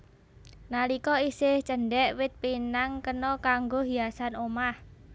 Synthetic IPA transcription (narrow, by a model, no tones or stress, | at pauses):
nalikɔisɪht͡ʃəɳɖɛʔwɪt̪̚pinaŋkənɔkaŋɡoɦiasanomah